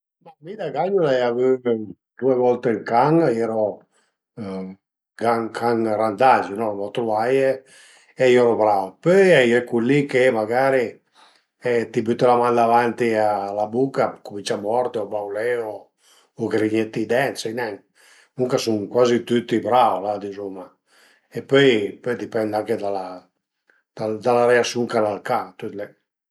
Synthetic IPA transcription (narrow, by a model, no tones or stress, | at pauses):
mamid̪aɡaɲulaɛjavy | d̪̥uevɔlt̪eŋkaŋjɛɾɔ | ɡaŋkʰaŋrand̪ad͡ʒunɔlɔt̪ɾuvaje | ɛjoɾɔbɾapøjɛjɛkulːikemaɡaɾi | ɛt̪ibyt̪ːelamand̪avant̪ialabukːakumint͡ʃamɔɾt̪eobawlɛoː | ɡɾiɲet̪ːid̪ɛnseinɛŋ | nuŋkasuŋkwazit̪yt̪ːibɾawlad̪izomːa | epøjpøjd̪ipɛnd̪aŋked̪ala | d̪̥ad̪alaɾɛasuŋkalalkat̪ut̪lɛ